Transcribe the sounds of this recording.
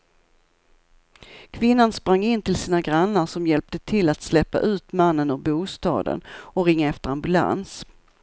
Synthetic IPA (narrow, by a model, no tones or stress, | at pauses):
kʰvɪnːanspɾaŋːɪnːt̪ɪlsiːnaɡɾanːəʂɔmjɛlp̚t̪ət̪ʰɪlːat̪slɛpːa̰ʔʉ̟ːt̪manːənɵbuːst̪ɑ̰ːd̪ə̰nɔɾɪŋːaɛft̪əɾambɵla̰ns